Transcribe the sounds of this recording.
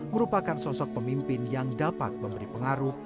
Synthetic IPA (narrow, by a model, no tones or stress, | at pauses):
məɾupakansɔsɔk̚pəmimpɪnjaŋdapa̰t̪̚məmbəɾipəŋaɾʊh